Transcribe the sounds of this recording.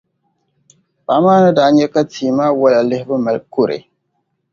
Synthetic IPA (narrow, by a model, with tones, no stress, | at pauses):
ba˨˦maː˦nɨ˦da˨˦ɲɛ˦ka˦tiː˨maː˦wa˦la˨lɪ˦hɪ˦bɨ˦ma˨lkʊ˦ɾḛ˨